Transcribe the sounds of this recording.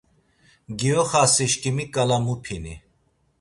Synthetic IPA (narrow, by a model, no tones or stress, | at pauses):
ɡiɔχasiʃkʼimikʼalamupʰini